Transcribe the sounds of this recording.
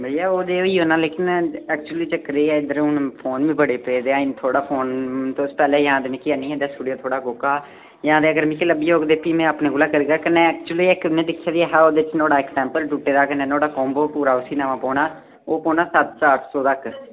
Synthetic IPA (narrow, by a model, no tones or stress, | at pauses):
bəiaːoːd̪eːoːiːoːnãːleːkɪnɛːk̚t͡ʃuəliːt͡ʃəkɾeːɛːɪd̪əɾʊnpʰoːnʋĩːbəɽeːpeːd̪eːaːɪnt̪ʰoːɽaːpʰoːnt̪oʊspɛːleːjãːd̪eːmẽːkɪaːnĩːɛ̃ːd̪aːsʈuːɖijoːt̪ʰoːɽaːɡoːkaː | jãːd̪eːəɡəɾmĩːkeləbiːoːɡd̪eːpiːmɛ̃ːəpneːɡʊlaːkəɾiːɡaːkənːeːɛːkt͡ʃuəliːɪknẽːd̪ɪkʰːjaːd̪iaːɦɛːoːd̪eːɪt͡ʃnoːɽaːɪksɛ̃ːmpəlʈuːʈeːd̪aːkəneːnoːɽaːkɔːmboːpuːɾaːʊsiːnaːmãːpɔːnaː | oːpɔːnaːsət̪saːʈʰsɔːt̪ək